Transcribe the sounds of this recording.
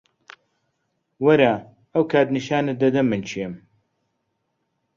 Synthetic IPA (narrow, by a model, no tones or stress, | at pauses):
wɐɾaː | ɐwkʰaːt̪niʃaːnɐd̪ɐd̪ɐmːɨnt͡ʃʰiɛm